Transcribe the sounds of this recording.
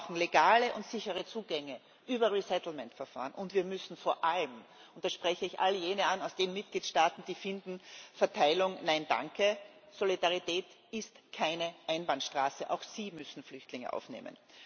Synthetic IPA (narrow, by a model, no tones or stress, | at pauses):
ʊxn̩leɡaːləʔʊntsɪçəʁət͡suːɡɛŋə | ʔyːbɐʁisɛtl̩mɛntfɛɐfa̰ːʁənʔʊntviːɐmʏsn̩foːɐʔaləmʊnt̚d̥asʃpʁ̥ɛçəɪçʔa̰ləjeːnəanaʊsd̥eːnmɪt̚ɡ̥liːtʃtaːtn̩d̥iːfɪndn̩fɛɐtʰaɪlʊŋnaɪnda̰ŋkʰə | solidaʁitʰɛːt | ɪstkʰaɪnəʔaɪnbantʃtʁ̥aːsəʔa̰ʊxsiːmʏsn̩flʏçtlɪŋə̰ʔa̰ʊfnḛːmə̰n